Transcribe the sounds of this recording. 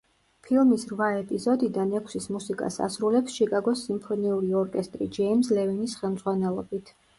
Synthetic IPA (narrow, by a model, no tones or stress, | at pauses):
pʰilˠmisɾvaɛpʼizɔd̪id̪anɛkʰsismusikʼa̰sa̰sɾulɛpsʃikʼaɡɔsːimpʰɔniuɾiɔɾkʼɛst̪ʼɾḭd͡ʒɛimslɛvinisχɛlˠmd̪z̥ʁwanɛlˠɔbit̪ʰ